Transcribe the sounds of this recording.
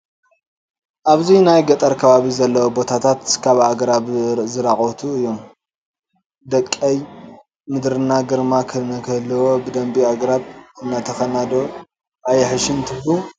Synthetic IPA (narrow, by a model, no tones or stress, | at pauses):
ʔaβzinajɡɐt̪ʼɐɾkʰɐβaβizɐlːɐwobo̞t̪ʰat̪ʰat̪kʰaβaɡɾaβzɨɾaχʼot̪ʰuɨjːo̞m | d̪ɐkʼːɐj | mɨd̪ɾɨnːaɡɨɾmakʰɨnɐkʰɐhlːɨwo̞bɨd̪ɐmbiaɡɐɾatɨnːat̪ʰɐxɐnad̪o | ʔajɐħɨʃɨnt̪ʰɨbu